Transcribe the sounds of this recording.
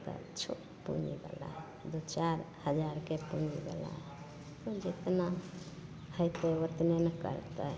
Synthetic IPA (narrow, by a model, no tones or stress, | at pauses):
t̪ə̰t͡ʃʰo | pṵnibḛla̰ɦɛ | d̪ot͡ʃaɾhəd͡ʒaɾkepunibḛla̰ɦɛ | t̪od͡ʒet̪na | həjt̪ewət̪nenəkə̰ɾt̪ə